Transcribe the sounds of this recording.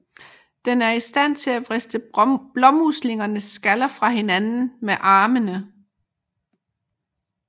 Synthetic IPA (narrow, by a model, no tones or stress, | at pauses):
d̥enæɐisd̥æn̰t͡sʰe̝læʋʁɛsd̥əb̥lɒ̽musle̝ŋɐnəsːɡ̥ælɐfʁɑ̈ɦe̝nænn̩meʔɑ̈ːmənə